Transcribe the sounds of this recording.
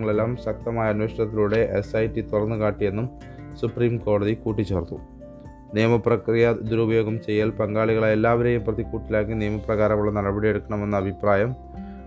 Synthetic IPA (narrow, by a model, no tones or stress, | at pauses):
ŋːɐɭe̞lːaːmɕɐk̚t̪ɐmaːjɐnweɕɐɳɐt̪ːiluɽe̞ʔesɐjtːit̪urɐnːukaːʈːije̞nːum | supriːmko̞ːɽɐðikuːʈːit͡ɕːe̞ːrt̪ːu | nijɐmɐprɐkrijɐd̪uɾubɐjo̞ːɡɐmt͡ɕe̞jːaːlpɐŋɡaːɭiɣɐɭajelːaːʋɐɾejumprɐðikːuːʈːilaːkːinijɐmɐprɐɣaːɾɐŋuɭːɐnɐɽɐbɐɽije̞ɽukːɐɳɐme̞nːɐːbʱipraːjɐm